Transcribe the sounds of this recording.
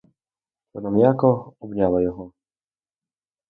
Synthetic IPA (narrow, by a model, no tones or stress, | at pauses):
t̪ɔnamjakɔɔbnʲalˠɐjɔɦɔ